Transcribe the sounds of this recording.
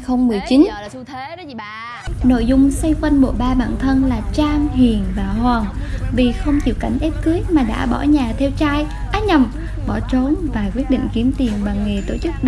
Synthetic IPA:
xə˧wŋ͡mmɨ˨˩əjt͡ɕi˨˦n | no̰˧˨jzʊ˧ŋ͡msə˧jkwə˧nɓo̰˧˨ɓaː˧ɓa̰ː˧˨nt̪ʰə˧nlaː˨˩t͡ɕaː˧ŋɦi˨˩ənvaː˨˩hwaː˨˩ŋvi˨˩xə˧wŋ͡mt͡ɕḭ˧˨wka˧˩jŋ̟ʔɛ˦˥p̚ki˨˦˥j̚maː˨˩ɗa̰ː˧˥ɓɔ̰˧˩ɲaː˨˩t̪ʰɛ˧wt͡ɕaː˧j | ʔaː˨˧˥ɲə˨˩m | ɓɔ˧˩t͡ɕo˨˦nvaː˨˩kwi˦˥ət̚ɗḭ˧˨ŋ̟ki˨˦əmt̪i˨˩ənɓa˨˩ŋŋe˨˩t̪o˧˩t͡ɕɨ˦˥k̚ɗ

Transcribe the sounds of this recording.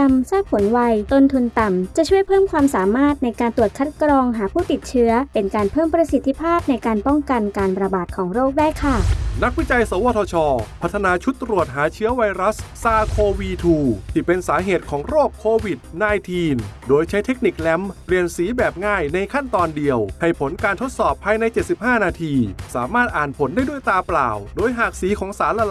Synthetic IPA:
msaː˥˩p̚pʰo˩˦nwa˧jt̪o˧nt̪ʰu˧nt̪a˨˩mt͡ɕa˨˩t͡ɕʰu˥˩əjpʰɤː˥˩mkʰwaː˧msaː˩˦maː˥˩t̪̚na˧jkaː˧nt̪u˨˩ət̪̚kʰa˦˥t̪̚kɾɔː˧ŋɦaː˩˦pʰuː˥˩t̪i˨˩t̪̚t͡ɕʰɯ˦˥ɐpe˧nkaː˧npʰɤː˥˩mpɾa˧si˨˩˦t̪ʰːi˧˥pʰaː˥˩p̚na˧jkaː˧npɔ˥˩ŋka˧nkaː˧nɾa˧baː˨˩t̪̚kʰɔː˩˦ŋɾoː˥˩k̚daː˥˩jkʰa˥˩na˦˥k̚wi˦˥˩t͡ɕa˧jso˩˦waː˧t̪ʰɔː˧t͡ɕʰɔː˧pʰa˦˥t̪ʰːa˧naː˧t͡ɕʰu˦˥t̪ːɾu˨˩ət̪̚ɦaː˩˦t͡ɕʰɯ˦˥ɐwa˧jɾa˦˥sːaː˧kʰoː˧wiː˧t̪ʰuː˧t̪ʰiː˥˩pe˧nsaː˩˦ɦeː˨˩t̪̚kʰɔː˩˦ŋɾoː˥˩kʰːoː˧wi˨˩t̪̚naː˧jt̪ʰiː˧ndoː˧jt͡ɕʰa˦˥jt̪ʰe˦˥k̚ni˨˩k̚lɛ˦˥mpli˨˩ənsiː˩˦bɛː˨˩p̚ŋaː˥˩jna˧jkʰa˥˩nt̪ɔː˧ndi˧əwha˨˩jpʰo˩˦nkaː˧nt̪ʰo˦˥t̪̚sɔː˨˩pʰːaː˧jna˧jt͡ɕe˨˩t̪̚si˨˩p̚haː˥˩naː˧t̪ʰiː˧saː˩˦maː˥˩t̪̚ʔaː˨˩npʰo˩˦ndaː˥˩jdu˥˩jt̪aː˧pla̰ː˨˩wdoː˧jɦaː˨˩k̚siː˨˩˦kʰɔː˩˦ŋsaː˩˦nla˧l

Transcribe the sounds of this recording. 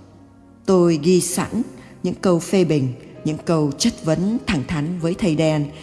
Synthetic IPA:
t̪o˧jɣi˧sa̰˧˥nɲɨ̰˧˥ŋkə˧wfe˧ɓï˨˩ŋ̟ɲɨ̰˧˥ŋkə˧wt͡ɕə˦˥t̚və˨˦nt̪ʰa˧˩ŋt̪ʰa˨˦jŋ̟vəː˨˦jt̪ʰə˧jɗɛ˧n

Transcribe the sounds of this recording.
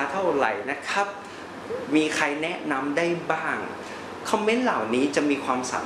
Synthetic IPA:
t̪ʰa˥˩wɾa̰˨˩˦jna˦˥kʰa˦˥p̚ | miː˧kʰa˧jnɛ˦˥na˧mdaː˥˩jbaː˥˩ŋ | kʰɔ˧mːe˦˥nla˨˩wniː˦˥t͡ɕa˨˩ʔmiː˧kʰwaː˧msa̰ː˩˦

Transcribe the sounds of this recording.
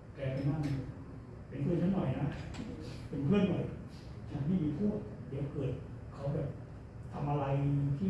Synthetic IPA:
kɛː˧pʰe˧nma˧˥˩na˧˩ | pe˧nkʰɯː˧˥˨nt͡ɕʰa˦˥nːɔ˨˩ja˧˨na˦˥ | pe˧npʰɯ˥˩ənːɔ˨˩j | t͡ɕʰa˦˧˥nmʰiː˥˩miː˧˥pʰu˥˩ək̚di˨˦əwkɤː˨˩t̪̚ | kʰa˨˥˦wbɛː˨˩p̚ | t̪ʰa˧mʔa˧ɾa˧jnɯ˧ŋt̪ʰiː˥˩

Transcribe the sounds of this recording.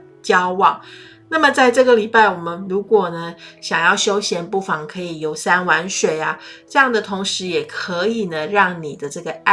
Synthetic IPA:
t͡ɕjɑ˦˥ʊwɑ˨˩ŋ | na˥˩mə˨t͡sa˥˧ɪʈ͡ʂɤ˥˩ɡə˨˩li˨˩pa˥˩ɪwɔ˨˩mə˦nɻu˧˥kwɔ˨˩nə˦ɕjɑ˨˩ŋjɑ˥˩ʊɕjo˥ʊɕjɛ˧˥npu˥˩fɑ˧˥ŋkʰɤ˧˥i˨˩jo˧˥ʊsa˥nwa˧˥nʂwe˨˩ɪa˦ | ʈ͡ʂɤ˥˧jɑ˥˩ŋd̪ə˨˩t̪ʰʊ˧˥ŋʂɻ̩˧˥jɛ˨˩kʰɤ˧˦i˨˩nə˨ɻɑ˥˩ŋni˨˩d̪ə˦ʈ͡ʂɤ˥˩ɡə˩˥

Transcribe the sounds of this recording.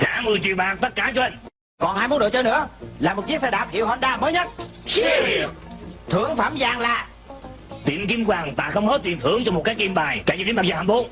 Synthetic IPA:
xa̰ː˧˥mɨ˨˩t͡ɕwḭ˧˨wɓaː˨˩ŋt̪ə˦˥t̚kaː˧˩t͡ɕɔ˧ʔŋ | kɔ˨˩nhaː˧jmu˨˦nɗə̰˨˩t͡ɕə˧nɨ̰˧˥əlaː˨˩mo˨˩t̚t͡ɕi˦˥t̚sɛ˧ɗaː˨˩p̚hḭ˧˨əwhə˧nɗaː˧məː˨˦jɲə˦˥t̚ | i˨t̪ʰɨ˨˧˩əŋfaː˧˩mzaː˨˩ŋlaː˨˩ | t̪ḭ˨əmki˧mkwaː˨˩ŋva̰ː˧˨˩xə˧wŋ͡mhə˦˥t̚t̪i˨˩nt̪ʰɨ˧˩əŋt͡ɕɔ˧m˨˩t̚kaː˦ki˧mɓaː˨˩jkaː˧˩i˧˩˧i˨˦ma˨˩zaː˧˩ha˧˩ɓo˨˦

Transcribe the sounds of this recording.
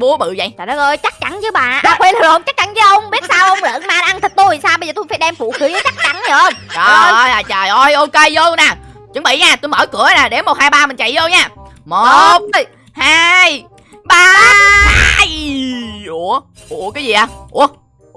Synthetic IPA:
ɓu˨˦əɓɨ̰˧˨zə̰˧˩ja̰˨˩ɗɔ˨˦ʔəː˧jt͡ɕa˦˥k̚t͡ɕa˧˦nzɨ˨˦ɓa̰ː˨ɓaː˨˩xwɛ˧nɨ˨˩o˧˦ŋ͡mt͡ɕa˦˥k̚t͡ɕa˨˦nzɨː˨˦ʔə˧wŋ͡mɓi˦˥t̚saː˧wʔə˧wŋ͡mlə̰ː˧˨nmaː˨˩nʔa˧nt̪ʰi˨˩k̚t̪u˧jvi˨˩saː˧wɓə˧jzəː˨˩t̪u˧jfaː˧˦jɗɛ˧mfṵ˧˨xi˨˦ə˨˦t͡ɕa˦˥k̚t͡ɕa˧˩nə˨˩ʔə˧wŋ͡mʔɔː˨˩˧jaː˨˩t͡ɕəː˨˩jʔə˧˩jʔo˧ke˧jzo˧naː˨˩t͡ɕɨ˨˦ŋɓḭ˧˨jɲaː˨˩t̪u˧jməː˧˩kɨ˨˧˩ənaː˨˩ɗe˨˦mo˨˩t̚haː˧jɓaː˧mɨ̈˨˩n̟t͡ɕa̰˧˨jzo˧wɲaː˧˩ | mo˨˩t̚ | haː˧j | ɓaː˧ | j | ʔu˧˩ə | ʔu˧˩əkaː˨˦zi˨˩ʔaː˨˧˩ʔu˧˩ə

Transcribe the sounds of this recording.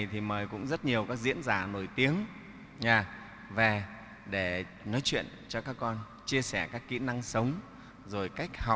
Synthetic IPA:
t̪ʰi˨˩məː˨˩jkʊ̰˧˥ŋ͡mzə˦˥t̚ɲi˨˩əwkaː˦˥k̚zḭ˧˥ənzaː˧˩no˧˩jt̪i˨˦əŋ | ɲaː˨˩ | ve˨˩ | ɗe˧˩ | nɔ˨˦jt͡ɕwḭ˧˨ənt͡ɕɔ˧kaː˦˥kːɔ˧n | t͡ɕi˧əsɛ˧˩kaː˦˥kːḭ˧˥na˧ŋsə˨˦wŋ͡m | zo˨˩jka˦˥jk̟̚ha˨˩

